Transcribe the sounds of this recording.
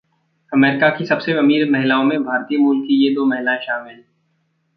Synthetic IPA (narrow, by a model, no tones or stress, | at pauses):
ɐmeːɾɪkakisɐbseɐmiːɾmɐɦɪlaːõmẽbʱaːɾt̪iːjəmuːlkːijed̪oːmɐɦɪlaẽʃaːmɪl